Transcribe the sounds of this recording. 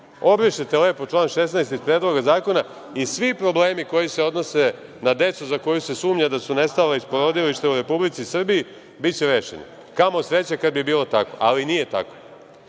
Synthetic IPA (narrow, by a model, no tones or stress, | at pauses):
o̞bɾiʃet̪ele̞ːpo̞t͡ʃlˠaːnʃe̞snajst̪izpɾed̪lˠo̞ɡazaːko̞na | isʋipɾo̞bleːmiko̞jise̞od̪nose̞ | nad̪e̞t̪suzako̞juse̞suːmɲad̪asune̞st̪aleispo̞ɾo̞d̪iliʃt̪euɾe̞publit̪sisr̩bii | bitt͡ɕeɾe̞ːʃḛni | kamo̞sɾe̞t͡ɕakad̪̚bibiːlˠo̞t̪ako̞̰ʔalinije̞t̪a̰ko̥